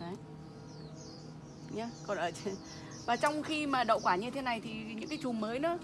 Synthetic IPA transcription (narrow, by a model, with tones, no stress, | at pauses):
a˨˦ | ɲa˨˧˦kɔ˨˩nʔəː˧˩t͡ɕɨ˧˩ | vaː˨˩t͡ɕɔ˧wŋ͡mxi˧maː˨˩ɗə̰˧˨wkwaː˧˩ɲɨ˧t̪ʰe˨˦na˨˩jt̪ʰi˨˩ɲɨ̰˧˥ŋkaː˨˦jt͡ɕu˨˩məː˨˦jnɨ̰˧˥ə